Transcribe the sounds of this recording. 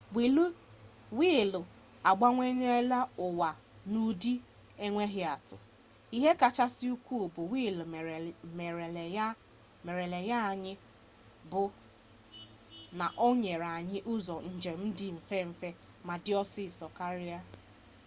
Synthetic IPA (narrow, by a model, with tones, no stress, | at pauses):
wi˨lu˦ | wiː˦˨lʊ˨ | a˨ɡ͡ba˦ŋʷe˦ɲ˦e˦la˦ʊ˨wa˨ | nu˦di˦ | e˦ŋʷe˦ɦɪ˨a˨tʊ̰˨ | i˦ɦe˦ka˨t͡ʃa˦sɪ˦u˦kʷu˦˨bʊ˨wi˦˨lm˨e˨˦ | me˨ɾe˨le˨ja˦a˨ɲɪ˦ | bʊ˨ | na˨ʔo˦ɲe˨ɾa˨ɲɪ˦ʔʊ˦zɔ˨n̩˦˨d͡ʒe˨m̩˦dɪ˨m̩˨fe˦m̩˨fe˦ | ma˨dɪ˦ɔ˦sɪ˦˨sɔ˨ka˦ɾɪ˦a˦